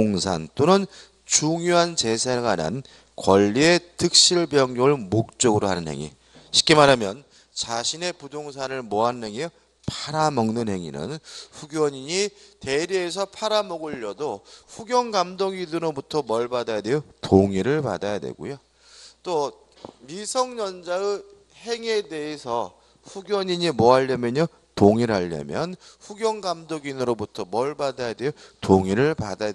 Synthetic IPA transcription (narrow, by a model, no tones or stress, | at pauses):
ŋsʰa̰nt͈onɯn | t͡ɕuŋjoɦant͡ɕe̞sʰeɡwana̰n | kwʌʎːie̞tʰɯk̚ɕ͈iɭbjʌŋoɭmok̚t͡ɕ͈ʌɡɯɾohanɯnhe̞̰ŋḭ | ɕʰi̥k͈emaɾamjʌn | t͡ɕaɕʰine̞pudoŋsʰanɯɭmoɦanɯnɦe̞ŋe | pʰaɾamʌŋnɯnhe̞ŋḭnɯ̰nɸuɡjʌɲiɲiteɾies̬ʰʌpʰaɾamʌɡɯʎːʌdoɸuɡjʌŋɡamdoɡinɯɾobutʰʌmʌɭbadajade̞jotoŋiɾɯɭpa̰dajadwe̞̰ɡo̰jo | t͈o | misʰʌŋɲʌnd͡ʑaɡɯ | he̞ŋe̞de̞esʰʌ | ɸuɡjʌɲiɲimʌɦaʎːʌmjʌɲʌ | toŋiɾaʎːa̰mjʌnɸuɡjʌŋɡamdoɡinɯɾobutʰʌmʌɭbadajadwe̞jotoŋiɾɯɭpadaja